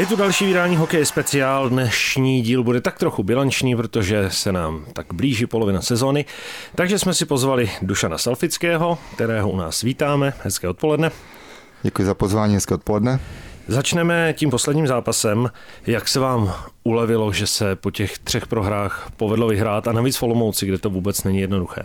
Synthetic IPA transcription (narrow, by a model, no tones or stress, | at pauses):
jɛt̪udalʃiːvɪdaːɲiːɦo̞kɛjɪspɛt͡sɪaːldnɛʃɲiːɟiːlbudɛt̪ak̚t̪ɾo̞xubɪlant͡ʃɲiːpɾot̪o̞ʒɛsɛnaːmt̪aɡ̥bliːʒipo̞lo̞vɪnasɛzo̞ːnɪt̪aɡʒɛsmɛsɪpozvalɪduʃana̰salfɪt͡skɛːɦo̞kt̪ɛɾɛːɦouna̰ːsviːt̪aːmɛhɛskɛːo̞t̪̚po̞lɛdnɛ | ɟɛkujɪzapozvaːɲiːɦɛskɛːot̪polɛdnɛzat͡ʃnɛmɛciːmpo̞slɛdɲiːmzaːpasɛm | jaksɛvaːmʔulɛvɪlo̞ʒɛsɛpo̞cɛxt̪r̝̥ɛxpɾo̞ɦɾaːxpo̞vɛdlovɪɦɾaːt̪anaviːt͡sfo̞lomowt͡sɪɡdɛt̪o̞vuːbɛt͡snɛɲijɛdnoduxɛ̰ː